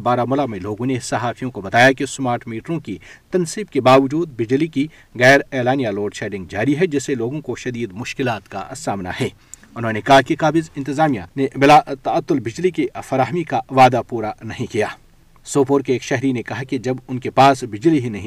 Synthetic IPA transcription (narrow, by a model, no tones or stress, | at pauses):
baːɾamʊlamẽloːɡõnesɐɦaːfʰijõkobɐt̪aːjakismaːɾʈmiːʈɾõkit̪ɐnsiːb̚kebaːʋɐd͡ʒuːd̪bɪd͡ʒliki | ɣɛːɾɛːlaːnijaloːɖʃɛːɖɪ̃ŋɡ̚d͡ʒaːɾiɦɛd͡ʒɪseloːɡõkoʃɐd̪iːd̪mʊʃkɪlaːt̪ka̰saːmna̰hɛː | ʊnɦõnekɐɦakikaːbɪzɪ̃nt̪ɪzaːmijanebɪlaːt̪ɐɐt̪ːʊlbɪd͡ʒlikifɐɾaːɦmikaʋaːd̪apuːɾanɐɦĩkijaː | soːpoɾkeːkʃɛɦɾinekɐɦakid͡ʒɐbʊnkepaːsbɪd͡ʒliɦinɐɦĩ